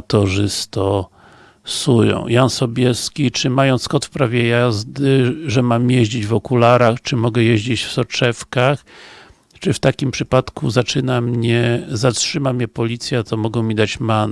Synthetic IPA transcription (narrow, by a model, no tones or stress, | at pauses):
t̪ɔʐɘst̪ɔ | sujɔ̰̃w̃jansɔbʲjɛskʲit͡ʂɘmajɔ̃nt̪skɔt̪fpɾavʲjɛjazd̪ɘʐɛmamjeʑd͡ʑid͡ʑvɔkulaɾaxt͡ʂɘmɔɡɛjeʑd͡ʑit͡ɕfsɔt͡ʂɛfkax | t͡ʂɘft̪akʲimpʂɘpat̪kuzat͡ʂɘnamɲɛzatʂɘmamʲɲɛpɔlʲit̪sʲjat̪ɔmɔɡɔ̃w̃mʲid̪at͡ɕman